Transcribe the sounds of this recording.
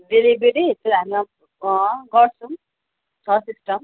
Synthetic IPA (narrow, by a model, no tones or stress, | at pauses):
ɖelibeɾit̪ʌɾɦamia | ɡʌrt͡sʰʌ̃ | t͡sʰʌsisʈʌm